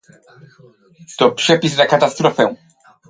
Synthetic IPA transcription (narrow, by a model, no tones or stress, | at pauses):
t̪ɔpʂɛpʲisnakat̪ast̪ɾɔfɛ